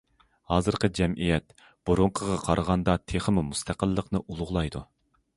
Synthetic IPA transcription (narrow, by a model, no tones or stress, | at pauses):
hɑːzɨɾqəɨd͡ʒɛmʔijɛt̪ | b̥uɾuɴqʰəʁɑqʰɑɾʔəʁɑnd̪ɑt̪ʰeχəmumust̪ʰæqəlˠːəqnɨʔulˠʊʁlˠɑjd̪u